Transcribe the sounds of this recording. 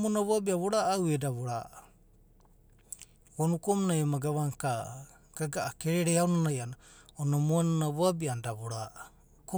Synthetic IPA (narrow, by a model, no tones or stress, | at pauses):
monaβoabiaβoɾaʔːwedaβoɾa̰ | wonukomnajamaɡaβaŋka | ɡ̥aɡaʔakeɾeɾehawnanajana | onamuanonaβoabiandaβoɾaʔ | ko